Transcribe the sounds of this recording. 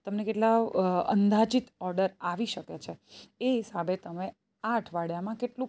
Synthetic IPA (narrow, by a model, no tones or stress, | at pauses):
t̪əmnekeʈlaə̰nd̪ad͡ʒit̪ɔɾɖəɾaʋiʃəket͡ʃʰeeɦisabʱet̪əme | aʈʰʋaɽjamãkeʈlũ